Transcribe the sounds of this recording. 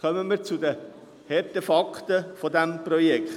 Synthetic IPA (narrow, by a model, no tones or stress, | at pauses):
kœməmiːɾt͡sudə | hɛɾtefɑktəfɔdæmpɾɔjɛk